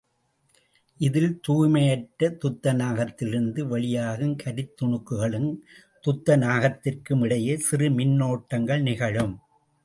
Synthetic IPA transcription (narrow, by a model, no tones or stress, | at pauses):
ʔɪðɪlt̪uːmɐjɐʈːɐt̪ʊt̪ːɐnaːɣɐt̪ːɪlɪɾɯnd̪ɯʋɐɭɪjaːɣɯmkʰɐɾɪt̪ːɔɳɯkːɯɣɐɭɯn | t̪ʊt̪ːɐnaːɣɐt̪ːɪrkɯmɪɽɐjɐsɪrɯmɪnːoːʈːɐŋɡɐɭnɪɣɐɻɯm